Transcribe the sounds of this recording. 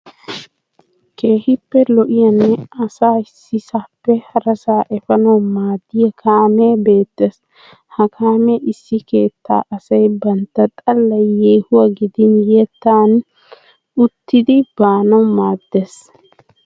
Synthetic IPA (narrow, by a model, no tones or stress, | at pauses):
ke̞ːhɪpːɛlɔʔɪjɐnːɛɐsaːɪsːɪsaːpːɛhɐɾɐsaːʔɛfɐnɐwmaːd̪ːɪjɐkʰaːmeːbe̞ːt̪ːes | hɐkʰaːmeʔɪsːɪke̞ːt̪ːa̰ːʔɐsɐjbɐnt̪ːɐt̪ʼɐlːɐjjeːhʊwɐɡɪd̪ɪnjɛt̪ːaːn | ʊt̪ːɪd̪ɪb̥aːnɐwmaːd̪ːes